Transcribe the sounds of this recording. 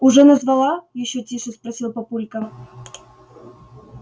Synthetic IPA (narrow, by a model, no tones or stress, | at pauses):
ʊʐɛnəzvɐlˠajɪɕːotʲiʂɨspɾɐsʲilˠpɐpulʲkə